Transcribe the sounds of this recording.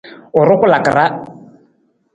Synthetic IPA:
ʊ˨ɾɪ˦kʊ˦la˨kɪ̰˨ra˦

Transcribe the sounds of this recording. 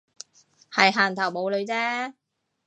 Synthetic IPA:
hɐ˨jɦaː˨˩nt̪ʰɐ˨˩wmo˨˧wlɵ˨˧ɥt͡sɛː˥

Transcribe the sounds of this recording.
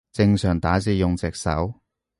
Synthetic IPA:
t͡sɪ˧ŋsœː˨˩ŋt̪aː˨˥t͡siː˧jʊ˨ŋt͡sɛː˨k̚sɐ̰˨˥w

